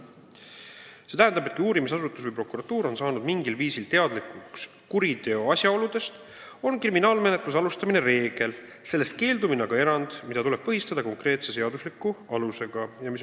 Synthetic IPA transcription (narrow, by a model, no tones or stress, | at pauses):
se̞t̪æɦænd̪̥ɑbekiuːɾimisɑsut̪ːˑusvɨjpro̞kuɾɑt̪uːɾo̞nsɑːnud̪miŋɡilviːsilt̪e̞ɑd̪likuks | kuɾit̪e̞oɑsʲjɑo̞lud̪̥e̞st̪ | o̞nkriminɑːlme̞ne̞t̪ˑlusɑlust̪ɑmine̞ɾe̞ːɡ̥e̞l | se̞lːe̞st̪̚ke̞ːld̪uminɑɡ̥ɑe̞ɾɑnd̪̥mid̪ɑt̪ule̞b̥pɤɦist̪ɑd̪̥ɑko̞ŋkre̞ːt̪se̞se̞ɑd̪uslikːˑuɑluse̞ɡ̥ɑjɑmis